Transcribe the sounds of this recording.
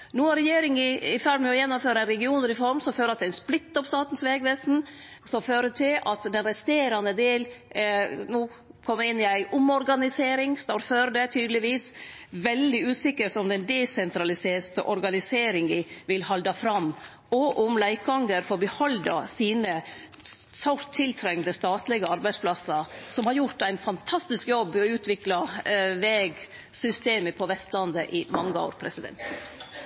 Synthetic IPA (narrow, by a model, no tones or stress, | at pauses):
nuːɑɾɛjeːɾɪŋɪɪfæɖmɛɔjɛnːʊmføːɾəɾɛɡɪuːnəɾɪfɔɾmsɔmføːɾɑt̪d̪ɛɪnsplɪt̪ːɔpst̪ɑːt̪n̩sʋeːɡʋeːsn̩sɔmføːɾəʈʰɪlɑt̪d̪ɛnɾɛst̪eːɾɑnəd̪eːl | nuː | kʰɔmːəɾɪnːɪæɪʔʊmɔɾɡɑnɪseːɾɪŋst̪ɑɾføːɾəɖ̪ɛt̪ʰyːd̪l̩ɪʋiːsʋɛld̪ɪʉːsɪkːəɾʈ̪ʊmd̪ɛnd̪ɛsɛnt̪ʰɾɑlɪseːt̪əʔɔɾɡɑnɪseːɾɪŋɪʋɪlhɑld̪ɑfɾɑmː | ɔʔʊmlæɪkɡɑŋɡəɾfɔɾbəhɔld̪ɑsiːnə | sɑt̪ʰːɪlt̪ʰɾɛŋnd̪əst̪ɑːt̪lɪɡəɑɾbæɪsplɑsːəɾsɔmhɑɾjʊɾt̪æɪnfɑnt̪ʰɑst̪ɪskjɔbːɔʉːt̪ʰʋɪklɑʋeːɡ | sʏst̪eːməpʰɔʋɛst̪lɑnd̪əʔɪmɑŋːəo̰ːɾpʰɾɛsɪd̪ɛ̰nt̪